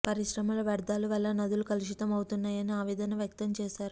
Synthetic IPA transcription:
pɐɾiʃɾɐmɐlɐʋɐɾd̪aːluʋɐlːɐnɐd̪ulukɐliʃit̪ɐmɐwt̪unːaːjɐniaːʋɛːd̪ɐnɐʋjɐk̚t̪ɐmt͡ʃɛːʃaːɾu

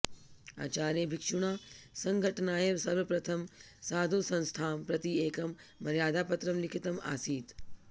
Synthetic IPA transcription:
a̰ːt͡ʃaːɾjebʱikʂuɳaːsɐŋɡʱɐʈɐnaːjɐʋsɐɾʋɐpɾɐt̪ʰɐm | saːd̪ʱosɐ̃nst̪ʰaːmpɾɐt̪ieːkɐmː | ɐɾjaːd̪ʱaːpɐt̪ɾɐmlikʰit̪ɐma̰ːsiːt̪

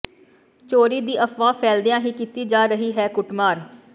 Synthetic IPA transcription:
t͡ʃoːɾiːd̪iːʔəpʰʋaːpʰɛːld̪ɪjãːɦiːkit̪iːd͡ʒaːɾəɦiːɦɛːkʊʈmaːɾ

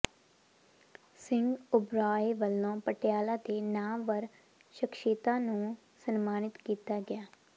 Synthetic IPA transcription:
sɪ̃ŋɡʊbɾaːeːʋəlːõːpəʈɪjaːlãːt̪eːnaːʋəɾ | ʃəkʃeːt̪ãːnũː | sənmaːnɪt̪kiːt̪aːɡɪjaː

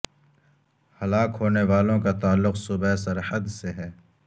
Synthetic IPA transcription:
hɐlaːkɦoːneʋaːlõkat̪aːlːʊqsʊbɛesɐɾhəd̪seɦɛː

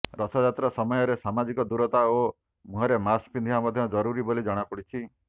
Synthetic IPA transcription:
ɾɔsɔd͡ʒat̪ɾɔsɔmɔjɔɾesamad͡ʒikɔd̪uɾɔt̪ao | muɦɔɾemaspind̪iɦamɔd̪ʱjɔd͡ʒɔɾuɾibolid͡ʒɔɽ̃apuɽit͡ʃʰi

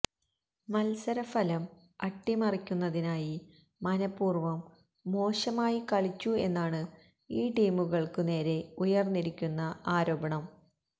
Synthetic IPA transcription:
mɐlsɐɾɐfɐlɐm | ɐʈːimɐrikʲːunːɐðinaːji | mɐnɐpːuːrʋɐmː | o̞ːʂɐmaːjikɐɭit͡ɕːue̞nːaːɳɨ | iːʈijmuɣɐɭkɨne̞ːɾe̞ujɐrnːiɾikʲːunːɐaːɾo̞ːbɐɳɐm

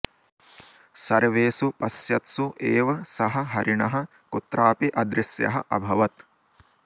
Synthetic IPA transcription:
sɐɾʋeːsupɐsjɐt̪suʔeːʋɐsɐɦɐ̆ɦɐɾiɳɐɦɐ̆ | kut̪ːɾaːpiʔɐd̪ɾisjɐ̰ɦɐ̰ʔɐ̰bʱɐʋɐt̪

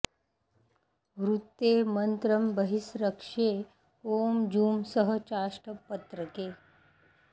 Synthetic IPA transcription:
ʋɾut̪ːeːmənt̪ɾəmbəɦisɾəkʂeː | oːmd͡ʒuːmsəɦət͡ʃaːʂʈəpət̪ɾəkeː

